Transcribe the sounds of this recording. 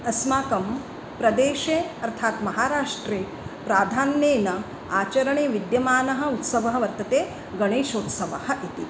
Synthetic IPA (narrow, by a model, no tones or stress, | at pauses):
ɐsmaːkɐm | pɾɐd̪eːʃeːɐɾt̪ʰaːt̪mɐɦaːɾaːʂʈɾeː | pɾaːd̪ʱaːnːeːnɐ | aːt͡ʃɐɾɐɳeːʋid̪jɐmaːnɐɦɐ̆ut̪sɐʋɐɦɐ̆ʋɐɾt̪ɐt̪eː | ɡɐɳeːʃoːt̪sɐʋɐhɐʔit̪i